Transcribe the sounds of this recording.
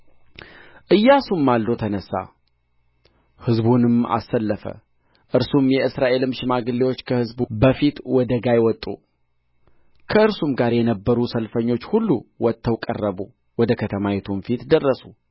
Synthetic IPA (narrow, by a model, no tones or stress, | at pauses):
ʔɨjːasumːalːot̪ʰənəsːa̰ | hɨzbunɨma̰sːəlːəfə̰ | ʔɨɾsumjɛɨsɾaʔe̞lɨmʃɪmaɡɨlːewot͡ʃːkʰəhɨzbbəfit̪wɔd̪əɡajwɔt̪ʼːṵ | kʰəɨɾsumɡaɾjɛnəbːəɾusəlfəɲːo̞t͡ʃːhulːuwɔt̪ʰːəwkʼə̰rːəbu | wɔd̪əkʰət̪ʰəmajɛt̪ʰumfit̪d̪ərːəsu